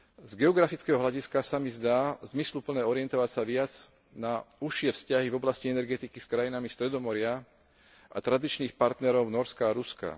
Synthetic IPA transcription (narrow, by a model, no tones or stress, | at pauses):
zɡɛɔɡɾafit͡skɛɦɔɦlaɟiskasamizd̪aːzmislupl̩nɛːɔɾɪɛnt̪ɔʋacsaʋɪad͡z | nauʃɪɛfscaɦivɔblasciɛnɛɾɡɛt̪ikiskɾajinamist̪ɾɛd̪ɔmɔɾɪa | a̰t̪ɾad̪it͡ʃniːxpaɾt̪nɛɾɔʊnɔɾskaːɾuska̰